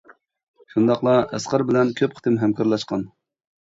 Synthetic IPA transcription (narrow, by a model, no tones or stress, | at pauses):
ʃund̪ɑχlˠɑɛ̰sqɑɾbɪlɛnkʲʰøpqʰə̥t̪ʰɪmɦɛmkʰɑɾlˠɑʃqɑn